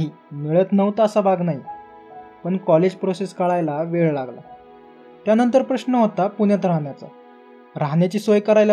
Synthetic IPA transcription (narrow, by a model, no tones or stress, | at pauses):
ɦiː | miɭət̪nəʋt̪ːsabʱaɡnaɦi | pəɳkɔled͡ʑpɾoseskəɭajlaʋeɭlaɡla̰ | t̪janənt̪̬əɾpɾəɕnəɦot̪apuɳjat̪ɾaɦɳjat͡sa̰ | ɾaɦɳjat͡ɕiːsojkəɾajl